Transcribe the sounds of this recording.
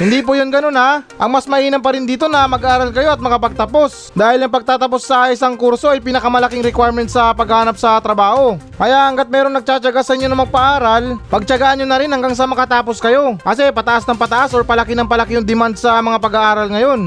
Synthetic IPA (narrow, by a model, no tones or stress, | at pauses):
hɪnd̪iːp̬ʊjonɡɐno̞naʔɐŋmɐsmɐʔiːnɐmpɐɾɪnd̪iːt̪o̞nɐmɐɡaʔaːɾɐlkɐjo̞ɐt̪̚mɐkapɐɡ̚t̪ɐpo̞s | d̪aːhɪlɐŋpɐɡ̚t̪aːt̪ɐp̬o̞sːɐʔɪsaŋkuɾso̞ʔɐjpinɐkɐmɐlɐkiŋɾɛkwajɹmɛnt̪̚sɐpɐɡhaːnɐp̚sɐt̪ɾɐbaːho̞ | kɐjaʔʔɐŋɡat̪̚mɛːɾoŋnɐɡ̚t͡ʃat͡ʃɐɡasɐʔɪɲːo̞nɐŋmɐɡ̚pɐʔaːɾɐlpɐɡ̚t͡ʃɐɡaːʔɐnːonɐɾɪnhɐŋɡaŋs̬ɐmɐkɐt̪aːpo̞skɐjo̞ʔɐs̬ɛpɐt̪ɐʔasnɐŋpɐt̪ɐʔasoɹpɐlɐkɪnɐŋpɐlɐkɪjʊŋd̪ɪmand̪̚sɐmɐŋapɐɡaʔaːɾɐlŋɐjo̞n